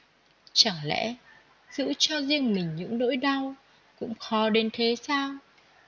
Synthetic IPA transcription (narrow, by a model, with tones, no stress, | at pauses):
t͡ɕa˧˩ŋlɛ̰˧˥ | z̥ɨ̰˧˥t͡ɕɔ˧zi˧əŋmï˨˩ŋ̟ɲɨ̰˧˥ŋɗo̰˧˥jɗa˧w | kʊ̰˧˥ŋ͡mxɔ˨˦ɗe˨˦nt̪ʰe˨˦saː˧w